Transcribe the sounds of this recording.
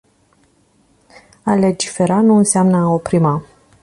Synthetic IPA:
ale̞d͡ʒife̞ɾanuɨnseamnəao̞pɾima

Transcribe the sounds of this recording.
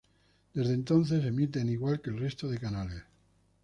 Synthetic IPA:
d̪̥e̞zðent̪o̞nθe̞se̞mit̪̬eniɣwalke̞lre̞st̪oð̞e̞kanales

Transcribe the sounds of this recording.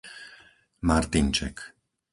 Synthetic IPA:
maɾt̪int͡ʃɛ̰k

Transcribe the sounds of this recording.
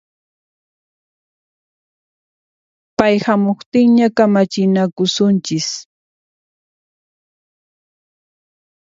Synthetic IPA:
pajhamoχt̪ɪŋɲakamat͡ʃɪnakʊsʊnt͡ʃɪs

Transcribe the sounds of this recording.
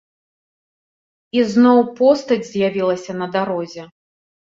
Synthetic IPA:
iznɔwpɔst̪ɐd͡zʲzʲjavʲilˠɐsʲɐnɐd̪aɾɔzʲɛ

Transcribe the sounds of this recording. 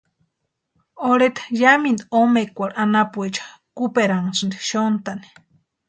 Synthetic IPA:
oɽet̪ʰḁjamind̪omekʷaɾʔanapuet͡ʃḁ | kupeɾaŋsɨnd̪iʃont̪ani̥

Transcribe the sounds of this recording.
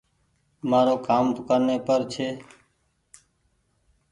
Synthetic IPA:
maːɾoːkaːmp̪ʊkəɾneːpəɾt͡ʃʰeː

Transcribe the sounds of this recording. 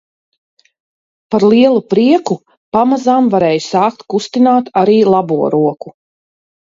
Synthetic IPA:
paɾlˠiɛlˠupɾiɛku | pamazaːmvaɾɛːjusaːk̚t̪kust̪inaːt̪aɾiːlˠabuɔɾuɔku

